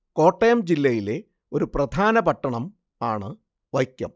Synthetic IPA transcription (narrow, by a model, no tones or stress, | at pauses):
ko̞ːʈːɐjɐmd͡ʑilːɐjile̞ | o̞ɾuprɐd̪ʱaːnɐpɐʈːɐɳɐm | aːɳɨ | ʋɐjkʲːɐ̰m